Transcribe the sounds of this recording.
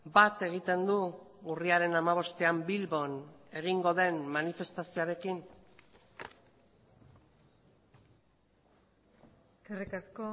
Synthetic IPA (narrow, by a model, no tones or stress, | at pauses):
bat̪e̞ɣ̞it̪e̞nd̪uuriaɾe̞namaβ̞o̞st̪e̞ambilβo̞ne̞ɣ̞iŋɡo̞ðe̞nmːanife̞st̪asioaɾe̞kin | eskerikasko